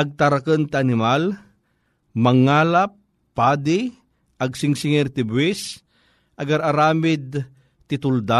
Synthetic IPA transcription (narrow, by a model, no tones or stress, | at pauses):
ɐɡ̚t̪aɾakənt̪ɪanɪmal | mɐŋːaːlap̚ː | aːd̪ɪ | ɐɡsɪŋsɪŋɛɾt̪ɪbwɪs | ʔɐɡaɾaɾaːmɪd̪̚ | t̪ɪt̪ʊld̪a